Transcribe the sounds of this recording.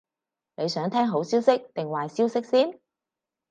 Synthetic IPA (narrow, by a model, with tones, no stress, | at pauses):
ne˨˧jsœː˨˥ŋt̪ʰɛː˥ŋɦo˨˥wsiː˥wsɪ˥k̚t̪ɪ˨˩ŋwaː˨jsiː˥wsɪ˥k̚siː˥n